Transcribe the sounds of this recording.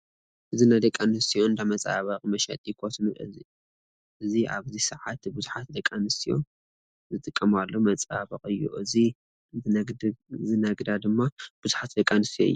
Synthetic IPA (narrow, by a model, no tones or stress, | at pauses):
ʔɨzinajd̪ɐkʼanɨst̪ʰijo̞nd̪amɐt͡sʼa̰βɐqʼmɐʃɛ̰t̪ʼjikʰot̪nu | ɨzia̰βzisɨʕat̪buzuħat̪d̪ɐkʼanɨst̪ʰijo̞ | zɨt̪ʼɨkʼːɐmalːo̞mɐt͡sʼa̰βɐ̰qʼɨjːṵʔɨzi | zɨnaɡd̪ad̪ɨmːab̥uzuħat̪d̪ɐkʼːanɨst̪ʰijo̰ɨ̰jːu